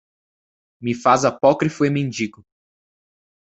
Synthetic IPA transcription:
mɪfazapɔkɾifʊemẽnd͡ʒiɡʊ

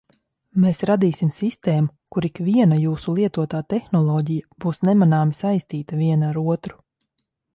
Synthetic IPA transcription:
meːsɾad̪iːsimsist̪eːmu | kuɾikvʲiɛnajuːsulˠiɛt̪uɔt̪aːt̪ɛxnɔlˠɔːɟijab̥uːsnɛmanaːmisajst̪iːt̪aviɛnaɾuɔt̪ɾu̥

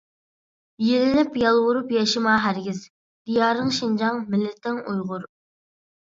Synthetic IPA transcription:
jelɪnɪpjɑlˠwʊɾupjɛʃɪmɑɦæɾɡʲɪz | d̪̥ijɑːɾnɨŋʃind͡ʒɑŋmɪlːɪt̪ʰɪŋujʁʊɾ

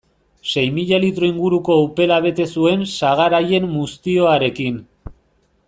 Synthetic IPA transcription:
se̞jmiʎalit̪ɾo̞iŋɡuɾuko̞upe̞laβ̞e̞t̪e̞sue̞nsaɣ̞aɾaje̞mːust̪io̞aɾe̞kin

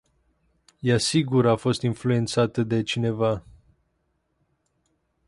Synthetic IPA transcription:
jasiɡuɾafo̞st̪influe̞nt̪sat̪əd̪e̞t͡ʃine̞va

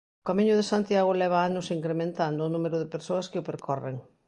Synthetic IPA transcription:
ʊkamĩɲʊðesant̪jaɣʊlɛβ̞aanʊsiŋkɾemẽnt̪and̪ʊːnumeɾʊðepeɾsoɐskɪʊpeɾkʰɔrḛŋ

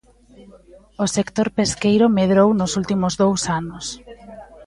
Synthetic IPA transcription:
ʊsekt̪oɾpeskejɾʊmeðɾownʊsult̪imʊzðowsanʊs

